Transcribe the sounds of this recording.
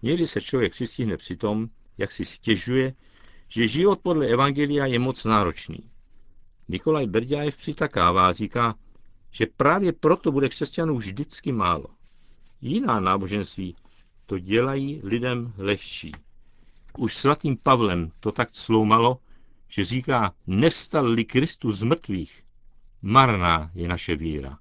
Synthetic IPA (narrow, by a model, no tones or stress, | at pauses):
ɲɛɡdɪsɛt͡ʃlo̞vjɛk̚prɪscɪɦnɛpr̥ɪt̪o̞m | ja̰ksɪscɛʒujɛ | ʒ̥ɛʒɪvo̞t̪̚podlɛɛvaŋɡɛlɪjajɛmo̞t͡snaːɾo̞t͡ʃnḭː | nɪko̞lajbɛɾɟaːjɛfpr̥ɪt̪akaːvaːriːkaːʒ̥ɛpɾaːvjɛpɾo̞t̪o̞budɛkr̥ɛscanuːvʒdɪt͡skɪmaːlo̞̰ | jɪnaːnaːbo̞ʒɛnst̪viː | t̪o̞ɟɛlajiːlɪdɛmlɛxt͡ʃḭː | ʔuʃsvat̪iːmpavlɛmt̪o̞t̪akslo̞wmalo̞ʒ̥ɛriːkaːnɛfst̪allɪkɾɪst̪uzmr̩t̪viːx | maɾnaːjɛnaʃɛvḭːɾa̰